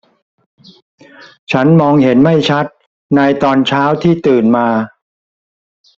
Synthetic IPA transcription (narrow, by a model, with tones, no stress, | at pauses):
t͡ɕʰa˦˥nmɔː˧ŋhe˩˦nma˥˩jt͡ɕʰa˦˥t̪̚ | naː˧jt̪ɔː˧nt͡ɕʰaː˦˥wt̪ʰiː˥˩t̪ɯː˨˩nmaː˧